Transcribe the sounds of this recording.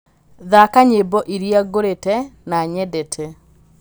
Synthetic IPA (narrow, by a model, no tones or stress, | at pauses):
ðakaɲebɔʔiɾjaɡoɾetɛnaɲɛdɛtʰɛ